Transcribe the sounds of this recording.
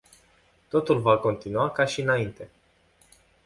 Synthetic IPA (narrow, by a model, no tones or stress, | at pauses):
t̪o̞t̪ulvako̞nt̪inuakaʃiɨnaint̪e̞